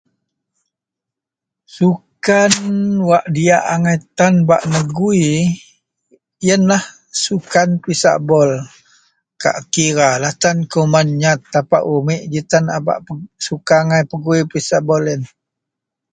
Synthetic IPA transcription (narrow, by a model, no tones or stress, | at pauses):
sukanwaʔdiaʔaŋajt̪anbaʔnəɡui | jənlah | sukanpɾisa̰ʔbɔl | ka̰ʔkiɾalat̪ankumanɲat̪ːapa̰ʔumɪʔd͡ʒit̪anaba̰ʔsukaːŋajpəɡuipisaʔbɔlɛn